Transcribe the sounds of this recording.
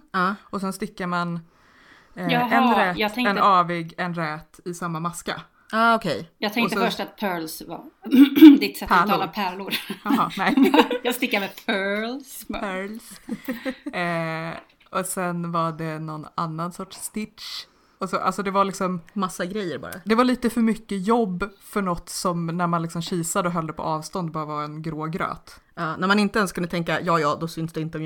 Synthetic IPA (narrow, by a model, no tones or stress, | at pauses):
ɑɔsɛnst̪ɪkːaɾman | jɛnd̪ɾɛjɑːɡt̪ʰɛŋɛnɑːvɪɡɛnɾɛːt̪ɪsamːamaska̰ | aːɔkʰɛjjɑːɡt̪ʰɛŋɔsəfœʂʈat̪̚pʰœːɭsva̰ | d̪ɪt̪sɛt̪pʰæɑlapʰæɭʊɾjɦɑnɛjɑːst̪ɪkːaɾmɛpʰœlspœls | ɔsɛnvaɖɛnɔna̰nːansɔʈʂst̪ɪtʂ | ɔsɔʔa̰lsɔd̪ɛvaɭɪksɔmmasːaɡɾɛjːəɾbɑ̰ːɾa̰d̪ɛvaɭiːt̪əfœɾmʏkːəjɔbːfœɳɔt̪ːsɔmnæɾmanlɪksɔmɕiːsad̪əɔɦœld̪əpʰɔ̰ʔɑːvst̪ɔnd̪̚bɑːɾavɑɛnɡɾoːɡɾø̰ːt̪ɑːnæɾmanɪnt̪əɛnskʰɵnd̪t̪ɛŋkːajɑːjɑːd̪ɔsʏnsd̪ɛɪnt̪əɔmj